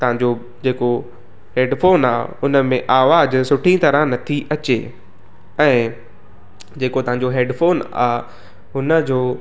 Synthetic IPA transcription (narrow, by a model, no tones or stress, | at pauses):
t̪ɐʋɦãɲd͡ʑo | d͡ʑeːko | ɦeːɖfoːnaːʊnəmẽʔaːʋaːd͡ʑsʊʈʰĩt̪ɐɾə̃nɐt̪ʰiʔɐt͡ɕe | ɛ̃ː | d͡ʑeːkot̪ɐʋɦãɲ̆d͡ʑoɦeːɖfoːna̰ː | ɦʊnə̆d͡ʑoː